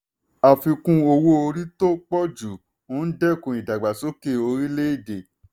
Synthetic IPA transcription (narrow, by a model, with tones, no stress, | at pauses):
a˨fi˧kũ˧o˧wo˦o˧ɾi˦to˦k͡pɔ˦d͡ʒu˨ | õ˦n̩˦dɛ˦˨kũ˨i˨da˨ɡ͡ba˨so˦ke˦˨o˧ɾi˦le˦i˦˨de˨